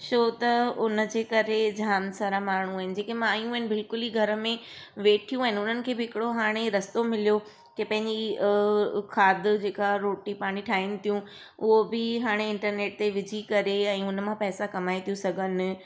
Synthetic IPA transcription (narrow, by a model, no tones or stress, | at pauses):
ʃoːt̪ɐʊnə̆d͡ʑeːkɐɾed͡ʑʱaːmsaːɾamaːɳ̤ũaːɦɪnɪ̆d͡ʑeːkemãajũɪ̃nɪ̆bɪlkʊliɡʱɐɾə̆mẽʋeːʈʰijũaːɦɪnɪʊn̤ənɪ̆kʰeːbɪɪkɪɽoɦaːɽ̃eɾɐst̪omɪlijo | kepɐ̃ɦɪ̃ɲd͡ʑi | kʰaːd̪̆ʱd͡ʑeːkaɾoːʈipaːɽ̃iʈʰaːɦinɪ̆t̪ʰijũ | ʊɦobɪɦaːɽ̃eɪ̃ɳʈəɾneːʈ̚t̪eʋɪd͡ʑʱikɐɾeɛ̃ːʊnəmãpɛːsakɐmaːit̪ʰijũsɐɡʱənɪ̆